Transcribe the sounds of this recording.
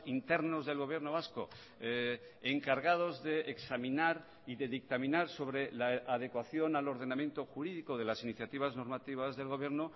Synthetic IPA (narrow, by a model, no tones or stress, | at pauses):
int̪e̞ɾno̞zðe̞lɣ̞o̞β̞jeɾnoβ̞asko̰ | e | eŋkaɾɣað̞o̞zðe̞eksamĩnaɾ | iðe̞ðik̚t̪amĩnaɾso̞βɾe̞laʔað̞e̞kwaθjo̞nalo̞ɾð̞e̞namje̞nt̪o̞xuɾiðikoðe̞lasiniθjat̪iβ̞azno̞ɾmat̪iβazðe̞lɣ̞o̞βje̞ɾno